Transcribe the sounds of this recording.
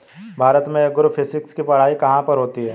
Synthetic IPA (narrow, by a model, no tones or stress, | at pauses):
bʱaːɾət̪mẽeɡʊɾfʰɪsɪkskipɐɽ̤aːikɐɦãpɐɾɦoːt̪iɦɛː